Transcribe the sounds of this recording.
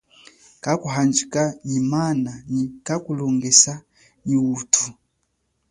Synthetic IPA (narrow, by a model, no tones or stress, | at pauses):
kakuɦand͡ʒikaɲimananikakulɔŋɡɛsa | ɲiwutʰu